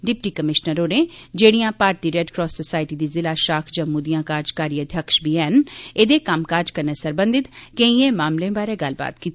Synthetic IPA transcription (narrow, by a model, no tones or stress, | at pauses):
ɖɪpʈiːkəmɪʃnəɾoːɾẽːd͡ʒeːɽijãːpaːɾt̪iːɾɛɖkɾɔːsːosaːɪʈiːd̪iːzɪlaːʃaːkʰd͡ʒə̃ːmud̪ijãːkaːɾd͡ʒkaːɾiəd̪ʱjəkʃbʱiːɛːneːd̪eːkəmkaːɾd͡ʒkəɾneːsəɾbənd̪ɪt̪keĩːẽːmaːmlẽːbaːɾeːɡəlba̰ːt̪kiːt̪ː